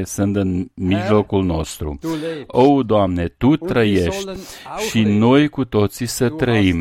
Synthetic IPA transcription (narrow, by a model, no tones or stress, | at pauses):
sɨnt̪ɨnmiʒlokulno̞st̪ɾṵowd̪oamnet̪ut̪ːɾəjeʃt̪ʲʃinojkut̪o̞t̪sisət̪ɾəim